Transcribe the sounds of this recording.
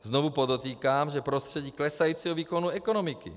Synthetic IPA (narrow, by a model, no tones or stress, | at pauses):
znɔʋupɔd̪ɔt̪iːkaːmʒɛpɾɔst̪rɾɛɟiːklɛsajuːt͡sɛɦɔʋiːkɔnuɛkɔnɔmikḭ